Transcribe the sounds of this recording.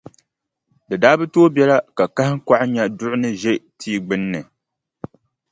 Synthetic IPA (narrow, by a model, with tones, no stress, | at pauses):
dɨ˨daː˦bɨ˦toː˦bɛ˦la˦ka˨ka˦hɪ˦ŋka˦ʔɲa˦dʊ˦ʔʊ˦nɨ˦ʒɛ˦tʰiː˦ɡ͡bɨ˦nːɨ˨